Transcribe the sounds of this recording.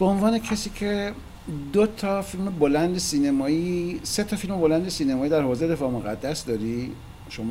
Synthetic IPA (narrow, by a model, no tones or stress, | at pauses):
b̥eonvɒːne̞cʰesiːcʰe̞ | d̪ot̪ʰɒfilmebolænd̪esiːnemɒːiːse̞t̪ʰɒfilmebolænd̪esiːnemɒːiːd̪æɾhoːzejd̪e̞fɒːmoɣæd̪ːæsd̪ɒːɾi | ʃom